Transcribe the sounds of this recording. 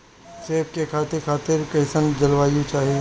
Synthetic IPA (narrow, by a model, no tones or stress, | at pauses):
seːpkekʰaːt̪ɪɾkʰaːt̪ɪɾkɐɪsənɡd͡ʒɐlʋaːjũt͡ʃaːɦije